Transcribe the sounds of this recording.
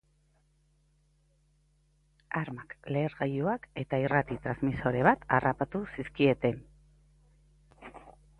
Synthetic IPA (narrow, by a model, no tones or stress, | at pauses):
aɾmakle̞ːɾɣajuake̞t̪airat̪it̪ɾazmiso̞ɾe̞βat̪arapat̪usiskie̞t̪e̞n